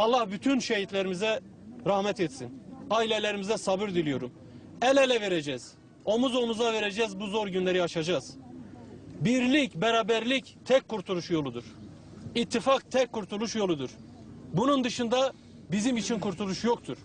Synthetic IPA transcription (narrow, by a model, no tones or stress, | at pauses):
ɑlˠːahbyt̪ʰynʃeɦit̪lʲeɾimizɛ | ɾahmɛt̪ɛt̪sinailʲelʲeɾimizɛsabɯɾd̪ilʲijo̞ɾum | ɛlʲɛlʲɛve̞ɾed͡ʒɛːz̥ | o̞muzo̞muzave̞ɾed͡ʒɛzbuzo̞ɾɟynlʲeɾiaʃad͡ʒaz̥ | biɾlʲicbɛɾaːbæɾlʲict̪ʰɛcʲkʰːuɾt̪ʰulˠuʃjo̞lˠud̪uɾ̥ | it̪ʰːifak̚t̪ʰɛckʰːuɾt̪ʰulˠuʃjo̞lˠud̪uɾ̥ | bunund̪ɯʃɯnd̪a | bizimit͡ʃʰinkʰuɾt̪ʰulˠuʃjo̞k̚t̪ʰuɾ̥